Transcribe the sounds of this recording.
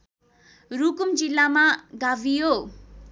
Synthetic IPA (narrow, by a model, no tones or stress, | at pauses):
ɾukumd͡ʒilːamaɡabʱijo